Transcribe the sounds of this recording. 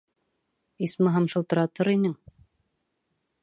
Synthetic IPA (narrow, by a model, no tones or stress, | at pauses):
ismɤɦɑmʃɤ̆lˠt̪ɤ̆ɾɑt̪ɤɾinɘŋ